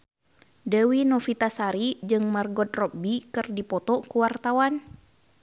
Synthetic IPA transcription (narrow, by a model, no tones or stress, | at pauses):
dəwinɔfit̪asaɾid͡ʒɨŋmarɡɔt̪̚rɔp̚bikɨrdipɔt̪ɔkuwart̪awan